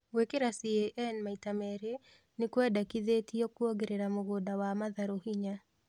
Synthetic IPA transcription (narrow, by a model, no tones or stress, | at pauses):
wekeɾasieʔɛnmaitamɛɾe | nekwɛdakiðeːtiɔkuɔɡeɾeɾamoɣodawamaðaɾohiɲa